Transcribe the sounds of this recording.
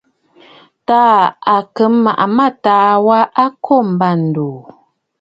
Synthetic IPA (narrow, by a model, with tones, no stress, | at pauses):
taː˦a˨kə˨˦m˦mːa˨ʔa˨ma˦˨taː˨˦wa˦ʔa˦kʰo˦˨m̩˨ba˦˨n̩˨doː˨